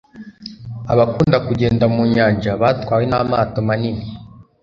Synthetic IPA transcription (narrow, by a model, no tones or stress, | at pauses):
aβakuːndakuɟe̞ːndamuɲaːnd͡ʒaβaːtwaːwenamaːtomanini